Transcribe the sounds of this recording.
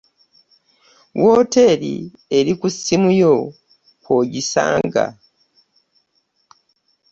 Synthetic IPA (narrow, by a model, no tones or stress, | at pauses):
wo̞ːte̞ɾḭ | e̞ɾikusːimujo | koɟisa̰ːŋɡa̰